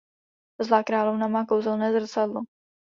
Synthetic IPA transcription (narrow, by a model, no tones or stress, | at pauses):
zlaːkɾaːlovnamaːkowzɛlnɛːzr̩t͡sadlo